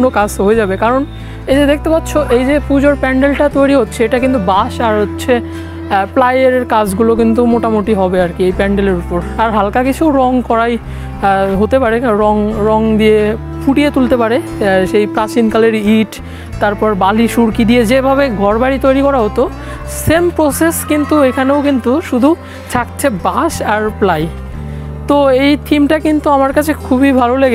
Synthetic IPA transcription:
nokasɦojed͡ʑabekaɾon | ejd͡ʑed̪ekʰt̪epatːɕʰoʔejd͡ʑepud͡ʑoɾpɛɳɖelʈat̪ojɾiɦotːɕʰeeʈakint̪ubaʃaɾɦotːɕʰe | plajeɾeɾkad͡ʑɡulok̬int̪umoʈamoʈiɦɔbeaɾkiejpɛɳɖeleɾupoɾaɾɦalkakit͡ɕʰuɾɔŋkɔɾaj | ɦot̪epaɾeɾɔŋɾɔŋd̪ie | pʰuʈijet̪ult̪epaɾeʃejpɾat͡ɕinkaleɾiiʈ | t̪aɾpɔɾbaliʃuɾkid̪ied͡ʑebʱaβeɡʱɔɾbaɽit̪ojɾikɔɾaɦot̪o | sempɾoseskint̪uekʰaneokint̪uʃud̪ʱu | t͡ɕʰak̚t͡ɕʰebaʃaɾplaj | t̪oejt̪ʰimʈakint̪uamaɾkat͡ɕʰekʰubibʱaloleɡe

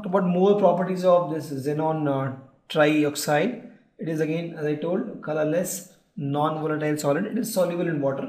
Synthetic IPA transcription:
ʈəbaʊʈmoːɾpɾɔːpəɾʈizɔːʋd̪ɪszenɔ̃ːn | ʈɾaɪɔːksaɪɖ | ɪʈɪzɐɡẽːnæzaɪʈoːlɖkɐləɾles | nɔ̃ːnʋɔːləʈaɪlsɔːlɪɖɪʈɪzsɔːlɪbəlɪ̃nʋɔːʈəɾ

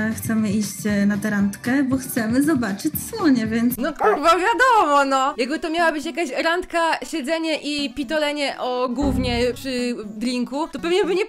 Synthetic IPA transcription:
xt̪sɛmɘiɕt͡ɕnat̪ɛɾant̪kɛbɔxt̪sɛmɘzɔbat͡ʂɘt͡ɕswɔɲɛvʲjɛnt̪snɔkɾuɾvavʲjad̪ɔmɔnɔjaɡbɘt̪ɔmʲjawabɘt͡ɕjakaɕɾant̪kaɕɛd̪zɛɲɛʔipʲit̪ɔlɛɲɛʔɔɡwuvɲɛpʂɘd̪ɾʲiŋkut̪ɔpɛvɲɛbɘɲɛ

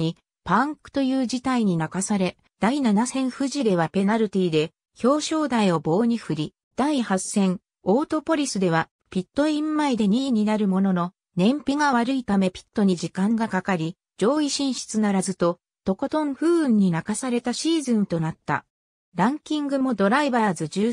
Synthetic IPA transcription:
ɲi | pãŋkɯ̟̥t̪o̞jɯːd͡ʑit̪aiɲ̟inakasaɾe̞ | d̪̥ainanasẽ̞ɰ̃ɸɯ̟ʑid̪e̞β̞ape̞naɾɯt̪ʲiːd̪e̞ | ço̞ːɕo̞ːd̪aio̞bo̞ːɲ̟iɸɯ̟ɾʲi | d̪̥aihasːẽ̞ɴ | o̞ːt̪o̞po̞ɾʲisɨd̪e̞β̞a | pʲit̪ːo̞ĩmːaid̪e̞ɲ̟iːɲ̟inaɾɯ̟mo̞no̞no̞ | nẽ̞mpʲiɡaβaɾɯ̟it̪ame̞pʲi̥t̪ːo̞ɲ̟iʑikãŋɡakakaɾʲi | d͡ʑo̞ːiɕĩɰ̃ɕi̥t͡sɨnaɾazɨt̪o̞ | t̪o̞kot̪õ̞ɴɸɯ̟ːɯ̃ɲ̟ːinakasaɾe̞t̪aɕiːzɨ̃nt̪o̞nat̪ːa̰ | ɾãŋkʲĩŋɡɯ̟mo̞d̪o̞ɾaibaɾzɨd͡ʑɨː

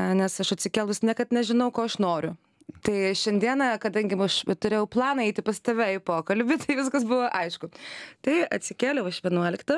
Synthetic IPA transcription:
nʲɛsɐʃɐtʲsʲɪkʲɛːlˠʋʊsʲnʲɛkɐt̪nʲɛʒʲɪnɐʊkoːɐʃnoːɾʲʊ | t̪ɐɪʃʲɛnʲd̪ʲiɛnɐkɐd̪ɐŋʲɡʲɪmɐʃɛt̪ʊɾʲeːjɛʊplˠɑːnɐɛɪt̪ʲɪpɐst̪oːʋʲæjʊpoːkɐlʲbʲɪt̪ɐɪʋʲɪskɐsbʊʋɐʔɐɪʃkʊt̪ɐɪɐ̰t̪ʲsʲɪkʲæːlʲɛʊɐʃʋʲiɛnuɔlʲɪkt̪ɐ

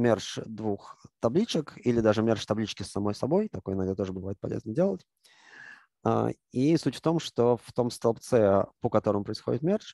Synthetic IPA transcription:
mʲerʂd̪vuxt̪ɐblʲit͡ɕɪkilʲɪd̪aʐɨmʲerʂt̪ɐblʲit͡ɕkʲɪsːɐmo̞jsɐbo̞jt̪ɐkojɪnɐɡd̪at̪o̞ʐəbɨvajɪt̪̚pɐ̰lʲḛznədʲe̞lˠətʲ | a̰ | isutʲft̪o̞mʂt̪o̞ft̪o̞mst̪ɐlˠpt̪sɛpəkɐt̪o̞ɾəmʊpɾəɪsxo̞dʲɪt̪mʲerʂ

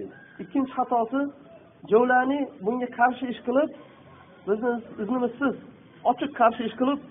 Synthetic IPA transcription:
ɪkʲːɪnt͡ʃʰɪχɑt̪ʰɒsɪ | d͡ʒɒwlaɾnɪbʊŋɡʲaqʰɑɾʃɪeʃqɨlˠɪp̚ | bɪzɪɪznɪmɪzsɪz | ɒt͡ʃʰɨqʰːɑɾʃɪeʃqʰɨlˠɪp̚

